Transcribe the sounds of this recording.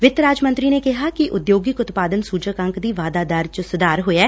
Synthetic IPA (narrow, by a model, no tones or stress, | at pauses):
ʋɪt̪ɾaːd͡ʒmə̃nt̪ɾiːneːkɪɦaːkɪʔʊd̪joːɡɪkʊt̪paːd̪ənsuːd͡ʒəkə̃ŋkd̪iːʋaːd̪aːd̪aːɾt͡ʃəsʊd̪aːɾɦoːɛː